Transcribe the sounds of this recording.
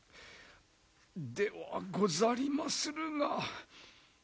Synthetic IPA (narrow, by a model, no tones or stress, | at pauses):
d̪eβa̰ɡozaɾʲimasɨɾɯ̟ɡa